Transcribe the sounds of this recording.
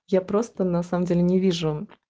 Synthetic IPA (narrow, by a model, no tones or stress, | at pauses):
japɾost̪ənasaməmdʲelʲɪnʲɪvʲiʐʊ